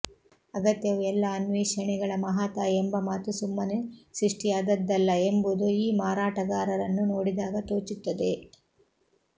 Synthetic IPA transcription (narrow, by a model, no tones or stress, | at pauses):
ɐɡɐt̪jɐʋuɛlːɐːnʋeːʃɐɳɛɡɐɭɐmɐɦaːt̪ɐembɐmaːt̪usumːɐneʃɾiʂʈijaːd̪ɐd̪ːɐlːɐembud̪oiːmaːɾaːʈɐɡaːɾɐɾɐnːuno̞ːɽid̪aːɡɐt̪oːt͡ʃut̪ːɐd̪e̞